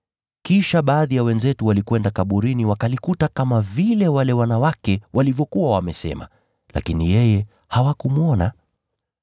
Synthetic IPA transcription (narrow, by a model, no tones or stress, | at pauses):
kiʃaɓaːðijawɛnzɛtuwalikwɛndakaɓuɾiniwakalikutakamavilɛwalɛwanawakɛwʔalivjɔkuwawamɛsɛ̰ma̰ | la̰kinijɛjɛ | hawakumuɔna